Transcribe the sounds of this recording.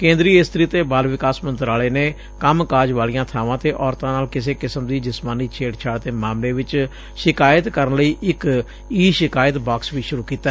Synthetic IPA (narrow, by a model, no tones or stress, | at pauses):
kẽːnd̪ɾiːɪst̪ɾiːt̪eːbaːlʋɪkaːsmənt̪əɾaːleːneː | kəmkaːd͡ʒʋaːlijãːt̪ʰaːʋãːt̪eːʔɔːɾt̪ãːnaːlkɪs̬eːkɪsəmd̪iːd͡ʒɪsmaːniːt͡ʃʰeːʈt͡ʃʰaːɽt̪eːmaːmleːʋɪt͡ʃ | ʃɪkaːjət̪kəɾənləiːʔɪk | iːʃɪkaːjət̪baːksʋiːʃʊɾuːkiːt̪ːaː